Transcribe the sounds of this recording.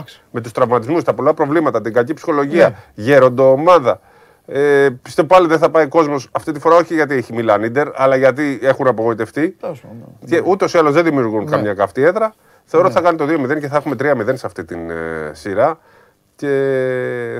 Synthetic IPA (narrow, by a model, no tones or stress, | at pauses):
me̞t̪ust̪ɾɐvmɐt̪izmust̪ɐpo̞lɐpɾo̞vlimɐt̪ɐt̪iŋɡɐcipsi̥xo̞lo̞ʝiɐʝeɾo̞nd̪o̞ːmɐðɐ | epist̪evopɐliðenθɐpɐiko̞zmo̞sɐft̪it̪ifo̞ɾɐo̞çiʝɐt̪̬ieçimilɐnid̪e̞ɾɐ̰lɐʝɐt̪̬ie̞xunɐpo̞ɣo̞it̪e̞ft̪i | eʔut̪eosiɐlo̞zðeðimiuɾɣunkɐmɲɐkɐft̪ie̞ðɾɐ | θe̞oɾot̪iθɐkɐnit̪oðio̞miðe̞nce̞θɐe̞xume̞t̪ɾiɐmiðe̞nseɐft̪it̪insiɾɐ | ce̞